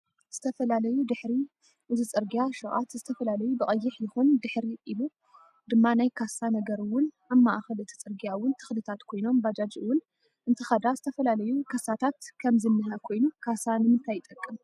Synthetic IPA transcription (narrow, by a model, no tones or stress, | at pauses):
z̥ɨt̪ʰɐfɐlalɐjud̪ɨħɾi | ʔɨzit͡sʼɨɾɡijaʃɨɣʼa̰t̪zɨt̪ʰɐfɐlalɐjubɨkʼɐjːɪħjɨxund̪ɨħɾiʔilu | d̪ɨmːanajkʰasanɐɡɐɾɨwʊn | aβmːaʔxɐlɨt̪ʰi̥t͡sʼɨɾɡijawʊnt̪ʰɨ̥xlɨt̪ʰat̪kʰo̞jno̞mbad͡ʒad͡ʒɨwʊn | ʔɨnt̪ʰɨxɐd̪azɨt̪ʰɐfɐlalɐjukʰɐsat̪ʰat̪kʰɐmzɨnːɨɦakʰo̞jnukʰasanɨmɨnt̪ʰajːɪt̪ʼɐkʼːɨm